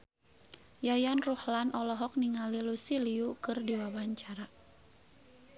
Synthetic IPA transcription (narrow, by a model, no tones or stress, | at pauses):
jajanruhlanʔɔlɔɦɔk̚niŋalilusiliukɨrdiwawaɲt͡ʃaɾa